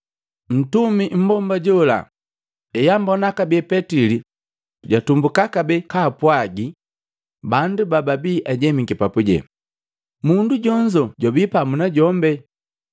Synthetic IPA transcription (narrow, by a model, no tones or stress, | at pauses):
n̩tumim̩bɔmbaɟɔla̰ | ɛjambɔnakabɛpɛtili | ɟatumbukakabɛkaːpwaɡi | bandubababiʔaɟɛmiŋɡipapuɟɛ̰ | munduɟɔɲd͡ʒɔɟwabipamunaɟɔmbɛ